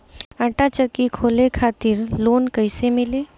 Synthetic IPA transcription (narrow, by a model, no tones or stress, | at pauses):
ə̃ʈat͡ʃəkːikʰoːlekʰaːt̪ɪɾloːnkəɪsemɪle